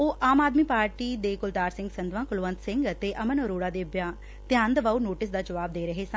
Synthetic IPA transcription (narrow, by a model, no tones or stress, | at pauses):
oːʔaːmaːd̪miːpaːɾʈiːd̪eːkʊlt̪aːɾsɪ̃ŋɡsənd̪ʋãːkʊlʋə̃nt̪sɪ̃ŋɡt̪eːʔəmənɔɾoːɽaːd̪eːbjãː | t̪jãːnd̪əʋaːunoːʈɪsd̪aːd͡ʒəʋaːb̚d̪eːɾəɦeːsə̃n